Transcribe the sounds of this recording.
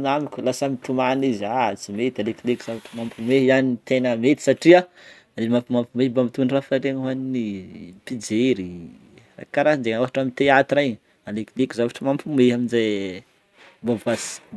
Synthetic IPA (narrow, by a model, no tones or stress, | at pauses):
namikʲulasamit̪umanizat͡simet̪aleklikizavaʈ͡ʂəmampumeɦanit̪enəmet̪i̥saʈ͡ʂia | lemapumampumembamit̪unrafaɾeŋəɦaninipid͡ʒeɾi | ra̰kaɾaɦind͡ʒeŋaɦaʈ͡ʂamint̪eat̪iɾajɲ | aleklikizavaʈ͡ʂəmampumeɦaminze | bavasi̥